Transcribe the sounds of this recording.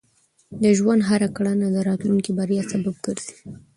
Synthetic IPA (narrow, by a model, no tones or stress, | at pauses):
d̪əʒwand̪ɦaɾakaɽanad̪əɾɑt̪luŋkibaɾjɑsabab̚ɡəɾz̥i̥